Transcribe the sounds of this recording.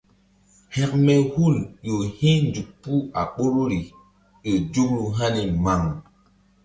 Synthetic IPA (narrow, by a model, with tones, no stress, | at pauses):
hɛ˨k̚mɛ˨hu˦˨ljo˨hĩ˦nd͡ʒu˨k̚pu˦a̰˨ɓo˦ɾo˦ɾi˨ | e˨d͡ʒu˦kɾu˨ɦa˦ni˨ma˨ŋ